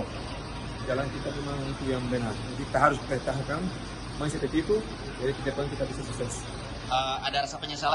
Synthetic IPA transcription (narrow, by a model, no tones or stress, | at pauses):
d͡ʒalankit̪amemaŋit̪ujaŋbənarnakit̪aɦaɾʊspɛt̪aɦkan | mas̬it̪ɛt̪it̪u | d͡ʒadik̪id͡ʒakankit̪abisas̬uksɛs | ʔəadaɾasapəɲəsala